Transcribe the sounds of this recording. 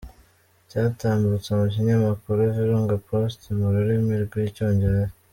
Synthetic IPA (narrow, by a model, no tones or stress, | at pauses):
caːtaːmdut͡semuc̬iɲamakuɾuviɾuːŋɡapɾostimuɾuɾimiɾɡwico̞ːɲɟeɾe